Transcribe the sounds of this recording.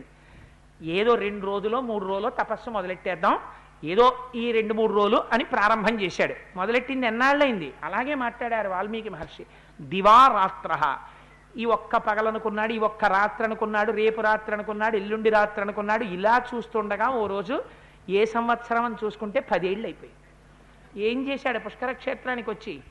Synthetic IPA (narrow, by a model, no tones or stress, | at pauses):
eːd̪o̞ːɾe̞ɳɖuɾo̞ːd͡ʒulo̞ːmuːɽuɾoːlo̞ːt̪ɐpɐsːumɔd̪ɐleʈːɛːd̪ːaːm | eːd̪o̞ːiːɾe̞ɳɖumuːɽuɾo̞ːluʔɐnipɾaːɾɐmbʱɐmt͡ʃɛːʃaːɽumɔd̪ɐleʈːind̪ɛnːaːɭːɐjind̪iɐlaːɡe̞ːmaːʈɭaːɽaːɾuʋaːɭːɐmiːkumɐɾʂi | d̪iʋaːɾaːt̪ɾɐɦɐ̰ | iːɔkːɐpɐɡɐlɐnukunːaːɽuiːɔkːɐɾaːt̪ɾɐnukunːaːɽuɾe̞ːpuɾaːt̪ɾɐnukunːaːɽuelːuɳɖiɾaːt̪ɾɐnukunːaːɽuilaːt͡ʃuːst̪uːɳɖɐɡaːoːɾo̞ːd͡ʒu | eːsɐmʋɐt̪sɐɾɐmɐnt̪it͡ʃuːsu̥kuɳʈe̞ːpɐd̪eːɽulɐjpoːjinii | eːɲt͡ʃɛːsaːɽupuʂkɐɾɐkʂeːt̪ɾaːnikiʋɐt͡ʃːi